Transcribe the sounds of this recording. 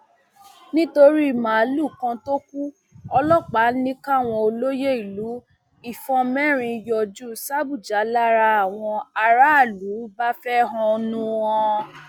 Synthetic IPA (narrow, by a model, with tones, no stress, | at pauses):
nĩ˦to˧ɾi˦i˦˨mã˨˦lu˦˨kã˧to˦ku˦ | ɔ˧lɔ˦k͡pa˨˦nĩ˦ka˦˨w̃ɔ̃˧o˧lo˦je˦i˨lu˨˦ | i˦˨fɔ̃˧mɛ˦ɾ̃ĩ˧jɔ˧˨d͡ʒu˦sa˦bu˦˨d͡ʒa˨˦la˦ɾa˧a˨w̃ɔ̃˧a˧ɾa˦a˦˨lu˨˦ba˦fɛ˦ɦɔ̃˧o˧nũ˧ɔ̃˧